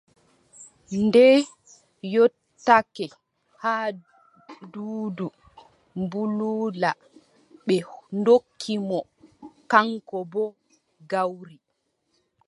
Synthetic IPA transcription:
ndɛ | jɔtː | akɛ | haː | duːdu | mbuluːla | ɓɛndokʰːimɔkaŋkɔbɔ | ɡawɾi

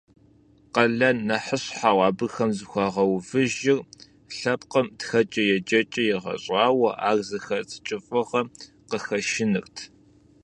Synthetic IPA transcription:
qɐɮɐnɐħəɕħaːwʷɑːbɨxɐmzɨxʷɑːʁɐwvɨʒɪr | ɬɐpqɐmtxɐt͡ʃʼɐjɛt͡ʃʼɐt͡ʃʼɐjɛʁɐ̰ɕʼɑːwɐʔaːrzɨxɐrt͡sʼɨ̥t͡ʃʼɪfʼɨʁɐ | qəxɐʃɪnɨrtʰ

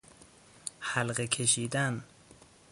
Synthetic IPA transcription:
hælɢekʲʰe̞ʃiːd̪æn

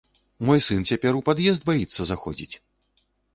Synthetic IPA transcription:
mɔjsɨnt͡sʲapʲɛɾupad̪jɛzd̪̚bajit̪sːɐzaxɔ̰d͡zʲḭt͡sʲ

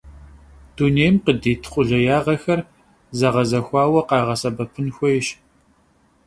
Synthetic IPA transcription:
d̥uneːjmqədeːtʰχʷʼʊɮɐjaːʁɐxɐr | zɐʁɐzɐxʷɑːwɐqɑːʁɐsɐbɐpʰɨnxʷɔjɪʃ

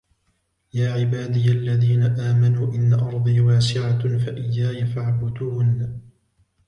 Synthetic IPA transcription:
jaːʕɪbaːd̪ijʔalːaðiːnaʔaːmanuːʔɪnːaʔɑɾˤd̪ˤiːwaːsɪʕafaʔɪjːaːjafaʕbʊd̪unː

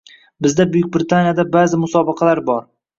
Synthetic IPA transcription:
bɪzd̪abʊjʊkʲbɪɾɪt̪ʰanjad̪abazɪmʊsɒbɪqʰɑlaɾbɒɾ

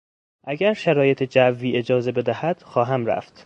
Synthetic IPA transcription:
ʔæɡæɾʃæɾɒːje̞t̪ʰed͡ʒævːiːe̞d͡ʒɒːze̞be̞d̪æhæd̪̥xɒːɦæmɾæ̰ft̪

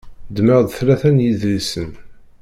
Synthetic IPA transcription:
d̪məʁd̪θlæθænjiðɾisən

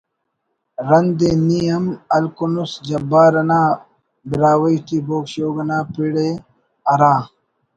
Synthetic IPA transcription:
ɾɐnd̪enijɐmɐlkunusd͡ʑɐbaːɾɐnaː | biɾaːwɐit̪iːboːkɕoːɡɐnaːpiɽe | ɐɾaː

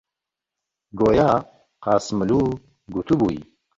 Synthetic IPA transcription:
ɡoːja | qɑːsmɨlu | ɡut̪ʰubuḭ

